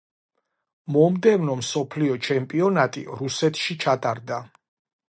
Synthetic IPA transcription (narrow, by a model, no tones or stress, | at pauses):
mɔmd̪ɛvnɔmsɔpʰliɔt͡ʃʰɛmpʼiɔnat̪ʼḭɾusɛt̪ʰʃit͡ʃʰat̪ʼaɾd̪a